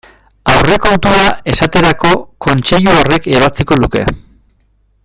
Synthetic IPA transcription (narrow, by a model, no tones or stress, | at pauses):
awre̞ko̞nt̪uɾae̞sat̪e̞ɾako̞ko̞nt͡ʃe̞ʎuore̞keβ̞at͡siko̞luke̞̰